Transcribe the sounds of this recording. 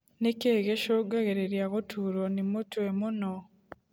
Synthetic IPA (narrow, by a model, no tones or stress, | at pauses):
nekeɡeʃoɡaɣeɾeɾjaɣotʰuɾonimutwemuno